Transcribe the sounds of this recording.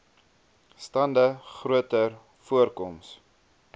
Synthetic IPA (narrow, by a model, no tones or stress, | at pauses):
stɐndəχruətər | fuərkɔms